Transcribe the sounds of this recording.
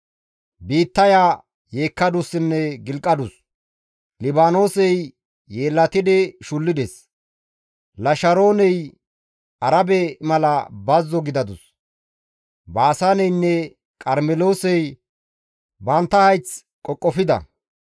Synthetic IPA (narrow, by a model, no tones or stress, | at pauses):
biːt̪ːɐjaː | jeːkːɐd̪ʊsːɪnːɛɡɪlkʼːɐd̪ʊs | lɪbaːno̞ːsɛjː | eːlːɐt̪ɪd̪ɛʃʊlːɪd̪es | lɐʃɐɾo̞ːnɛj | ɐɾɐbɛmɐlɐbɐzːɔɡɪd̪ɐd̪ʊs | baːsaːnɛjnːɛ | kʼɐɾmɛlo̞ːsɛj | bɐnt̪ːɐhɐjt͡s | kʼɔkʼːɔfɪd̪ɐ̰